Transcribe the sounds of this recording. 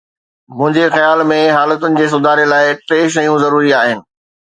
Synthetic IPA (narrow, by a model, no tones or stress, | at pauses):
m̤ʊ̃ɦɪ̃ɲd͡ʑexɐjaːlmẽɦaːlət̪ʊnɪ̆d͡ʑeːs̬ʊd̪ʱaːɾelaːɪʈeːʃ̬ɐjũzɐɾuːɾiaːɦɪnɪ̆